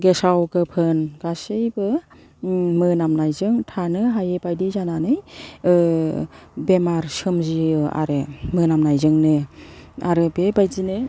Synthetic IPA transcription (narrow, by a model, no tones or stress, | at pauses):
ɡesawɡɯpʰɯnɡasɯjbɯ | mɯnamnajzɯŋtʰanɯɦajebajdizananɯjɯ | bemaɾsɯmziɯa̰ɾɯmɯnamnajzɯŋnɯa̰ɾɯbebajzinɯ